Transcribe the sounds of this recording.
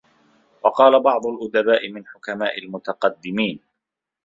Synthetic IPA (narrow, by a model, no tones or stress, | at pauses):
wɑqɑːlabɑʕd̪ˤʊlʔʊd̪abaːʔɪmɪnħʊkamaːʔɪlmʊt̪aqɑd̪ːɪmiːn